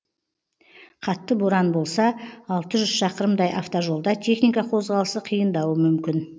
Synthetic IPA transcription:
qʰɑt̪ːəbʊɾɑnbo̞lˠsɑːlˠt̪əʒʏz̥ʃɑqəɾəmd̪ɑjʔɑ̰ft̪oʒo̞lˠd̪ɑt̪ʲʰe̞χnijkɑqʰo̞zʁɑlˠəsəqʰijənd̪ɑwəmʏmkʲɪn

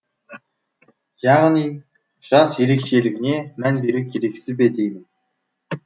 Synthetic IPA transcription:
jaʁə̆niː | ʃaɮseɾɘ̆kʃeːɮɘ̆ɣneːmænpeɾɘ̆k̚ɡeɾeksɘ̆p̬et̪en

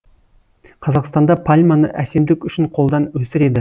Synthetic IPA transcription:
qʰɑzɑqst̪ɑnd̪ɑpʰalʲmɑnə̰ʔæse̞md̪ɪkʲʏʃɪɴqʰo̞lˠd̪ɑnwɵsɪɾe̞d̪ɪ

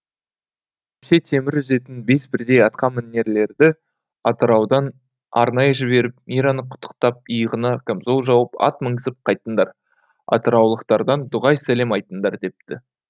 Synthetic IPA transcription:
ese̞t̪ʰe̞mɪɾʏze̞t̪ɪnbe̞sbɪɾd̪e̞jɑt̪̚qɑmmɪnːe̞ɾle̞ɾd̪ɪ | ɑt̪əɾɑwd̪ɑn | ɑ̰ɾnɑjəʒɪbe̞ɾɪp̚mijɾɑnəqʰʊ̥t̪ʰːə̥qt̪ɑp̚əjəʁənɑkʲʰamzolˠʒɑwəpɑ̰t̪̚məŋsəp̚qʰɑjt̪ənd̪ɑɾ | ɑ̰t̪əɾɑwlˠəqt̪ɑɾd̪ɑnd̪ʊʁɑjsæle̞mɑjt̪ənd̪ɑɾd̪e̞p̚t̪ɪ

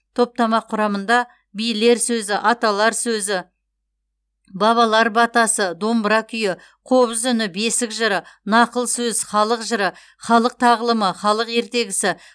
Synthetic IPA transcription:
t̪ʰo̞p̚t̪ɑmɑqʰːʊɾɑmənd̪ɑ | bijle̞ɾsɵzɪʔɑt̪ɑlˠɑɾsɵzɪ | bɑβɑlˠɑɾbɑt̪ɑsəd̪o̞mbɾɑkʲʰʏjɪ | qʰo̞βəzʏnɪbe̞sɪkʒəɾənɑqəlˠsɵzχɑlˠəqʒəɾə | χɑlˠəq̚t̪ʰɑʁəlˠəməχɑlˠəqe̞ɾt̪e̞ɡʲɪsɪ

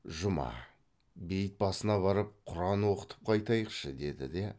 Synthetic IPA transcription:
ʒʊmɑ̰ | be̞jət̪̚bɑsənɑβɑɾəp̚qʰʊɾɑnwoqə̥t̪ə̥p̚qʰɑjt̪ɑjəqʃəd̪e̞d̪ɪ̰d̪e̞

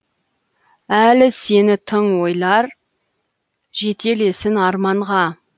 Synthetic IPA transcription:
ælɪse̞nɪt̪ʰəɴwo̞jlˠɑɾ | ʒe̞t̪ʰe̞le̞sɪnɑɾmɑɴʁɑ

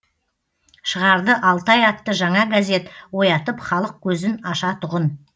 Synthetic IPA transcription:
ʃəʁɑɾd̪əʔɑlˠt̪ɑjɑt̪ːəʒɑɴɑɡaze̞t̪wo̞jɑt̪əpχɑlˠəq̚kʲʰɵzɪnɑʃɑt̪ʰʊʁən

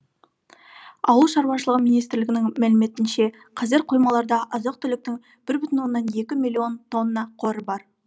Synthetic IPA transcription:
ɑ̰wəlˠʃɑɾwɑʃəlˠəʁəmijnijst̪ɾlɪɡʲɪnɪŋmælɪme̞t̪ɪnʃe̞ | qʰɑzɪɾqʰo̞jmɑlˠɑɾd̪ɑʔɑzɑq̚t̪ʰʏlɪk̚t̪ɪŋ | b̥ɪɾbʏt̪ɪnwo̞nːɑne̞kʲɪmilʲːˠio̞nt̪ʰo̞nːɑqʰo̞ɾəbɑɾ

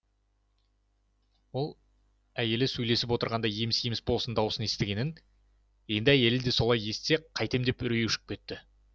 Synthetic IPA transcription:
wo̞lˠ | æje̞lɪsɵjle̞sɪpwo̞t̪əɾʁɑnd̪ɑjemɪsjemɪsbo̞lˠsənd̪ɑwəsəne̞st̪ɪɡʲe̞nɪn | je̞nd̪ɪæje̞lɪd̪e̞so̞lˠɑje̞st̪se̞qʰɑjt̪e̞md̪e̞pʏɾejewʃɪ̥k̚kʲʰe̞t̪ːɪ

